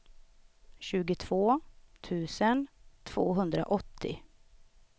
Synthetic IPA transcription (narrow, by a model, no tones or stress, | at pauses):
ɕʉ̟ːɡʊt̪ʰv̥oːt̪ʰʉ̟ːsənt̪ʰv̥o̰ːɦɵnd̪ɾa̰ʔɔt̪ʰːɪ̰